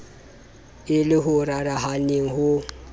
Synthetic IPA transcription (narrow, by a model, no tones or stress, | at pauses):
ɪlɪɦʊɾaɾaɦanɪŋ̩ɦʊ